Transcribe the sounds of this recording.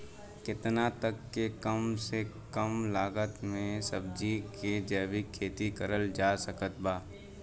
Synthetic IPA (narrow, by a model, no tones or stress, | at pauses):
kɪt̪nat̪əkːekəmse | kəmlaːɡət̪mẽsəbd͡ʒiked͡ʒɛːbikʰːeːt̪ikəɾəld͡ʒaːsəkət̪̚baː